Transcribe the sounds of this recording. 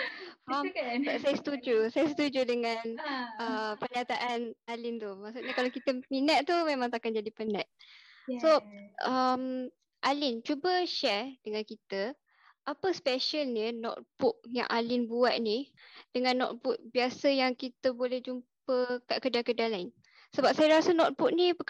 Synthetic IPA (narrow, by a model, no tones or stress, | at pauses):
famsajasə̥t̪ud͡ʒusajasət̪ud͡ʒudəŋãnəpəɲat̪aʔanalint̪umaʔsuɲakalakit̪əminaʔ̚t̪umemãŋt̪akand͡ʒadipənat̪̚soʔəm | ʔalint͡ʃubəʃɛrdəŋankit̪ə | ʔapəspɛʃəlnənɔ̰t̪̚b̥ʊk̚ja̰ŋʔalɪnbuat̪̚nidəŋãnːɔ̰t̪̚bʊt̪̚biasəjaŋkit̪əbolɛhd͡ʒumpəkaʔkədakədalain | səbap̚sajaɾasənɔt̪̚buk̚nipə